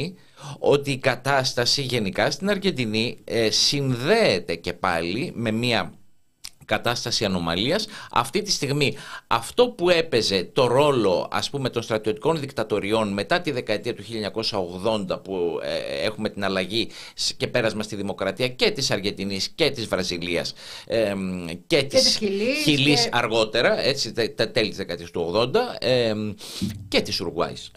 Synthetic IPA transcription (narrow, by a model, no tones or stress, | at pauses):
o̞t̪iːkɐt̪ɐst̪ɐsiʝe̞nikɐst̪inɐɾʝe̞nd̪inisinðe̞ːt̪e̞ce̞pɐlime̞miɐ | kɐt̪ɐst̪ɐsiɐno̞mɐ̰liɐsɐ̰ft̪it̪ist̪iɣmiɐ̰ft̪o̞pue̞pe̞ze̞t̪o̞ɾo̞lo̞ɐ̰spume̞t̪o̞nst̪ɾɐt̪io̞t̪i̥ko̞nðikt̪ɐt̪o̞ɾio̞nme̞t̪ɐt̪iðe̞kɐe̞t̪iɐt̪u̥çiʎɐɲɐko̞sɐo̞ɣðo̞nd̪ɐpṵexume̞t̪inɐlɐʝisce̞pe̞ɾɐzmɐst̪iðimo̞kɾɐt̪iɐce̞t̪isɐɾʝe̞nd̪inisce̞t̪izvɾɐziliɐ̰s | ece̞t̪islçilisɐɾɣo̞t̪e̞ɾɐe̞t͡sit̪ɐt̪e̞lit̪izðekɐet̪iɐst̪uo̞ɣðo̞nd̪ɐ | ce̞t̪isuɾɣwɐ̰ḭs